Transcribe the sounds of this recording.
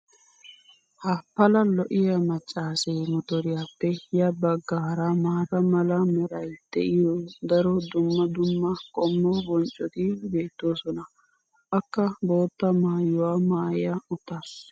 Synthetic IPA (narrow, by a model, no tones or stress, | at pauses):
hɐpːɐlɐlɔʔɪjɐmɐt͡ʃʼːaːsejmɔt̪ɔɾɪjaːpːɛjɐbɐɡːaːɾɐmaːkɐmɐlɐmɔɾɐjd̪̥ɛ̰ʔɪjɔd̪ɐɾɔd̪ʊmːɐd̪ʊmːɐkʼɔmːɔbɔnt͡ʃʼːɔt̪ɪbe̞ːt̪ːo̞ːsɔnɐ | ɐkːɐbo̞ːt̪ːɐmaːjʊwaːmaːjɐʊt̪ːas